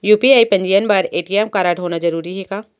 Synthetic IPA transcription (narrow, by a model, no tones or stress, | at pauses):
juːpiaːipɐ̃ɲd͡ʒijənbɐɾeːʈiɛmkaɾaːʈɦoːnad͡ʒɐɾuːɾiɦɛkaː